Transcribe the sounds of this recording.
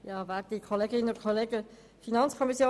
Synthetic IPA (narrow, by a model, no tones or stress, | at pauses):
jɑːvɛːdikʰɔleːɡɪnəʊt̪kʰoleːɡə | finɑnt͡skʰɔmisjoː